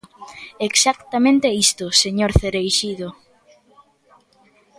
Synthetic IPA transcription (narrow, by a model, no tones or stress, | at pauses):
eksakt̪amẽnt̪eist̪ʊseɲoɾθeɾejʃiðo